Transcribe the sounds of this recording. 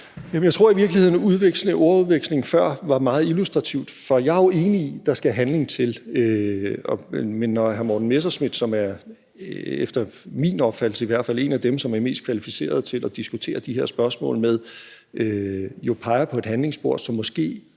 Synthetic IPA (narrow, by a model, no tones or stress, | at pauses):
jæmnjaɪt͡sʰʁo̝ɐ̰iʋiɐɡ̥lihe̝ð̞̰ˠn̩uðˠʋeɡ̥sləʔo̝ɐuðˠʋeɡ̥sle̝ŋfɶɐ̰ʋɑ̈mɑ̈ːð̩ˠilusd̥ʁɑ̈t͡sʰiʊ̰d̥fɒ̽jɑ̈æɐjo̝e̝ːniid̥ɑ̈sɡ̥ææɦænle̝ŋt͡sʰe̝løɒmenːɒhæɐmɒ̰ːd̥n̩mes̬ɐsmid̥sɒ̽mæɐ | efd̥ɐmḭnɒ̽b̥fæl̥̩səiʋæɐ̰d̥fæl̰e̝næd̥emsɒ̽mæɐme̝̰ːsd̥kʰʋælifise̝̰ːɐð̞ˠt͡sʰe̝lɒd̥isɡ̥ut͡sʰe̝̰ːɐd̥iɦeɐsb̥ɶɐsmɔ̰̽ːlmeð̞ˠ | ʔøjo̝pʰɑ̈ɪɐpʰɒ̽e̝d̥ɦænle̝ŋsb̥o̝ɐ̰̥sɒ̽mːɒ̽sɡ̥e̝̰ː